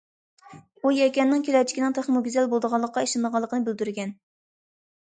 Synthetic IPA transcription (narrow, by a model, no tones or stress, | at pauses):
ujɛkʲɛnːɪŋkʲʰelɛɾt͡ʃʰi̥kʲinɨŋt̪ʰeχnmuɡʲyzɛlbolˠd̪əʁɑlˠːəqːɑiʃɨnd̪əʁɑlˠːəqʰənɨbɪld̪yɾɡʲɛn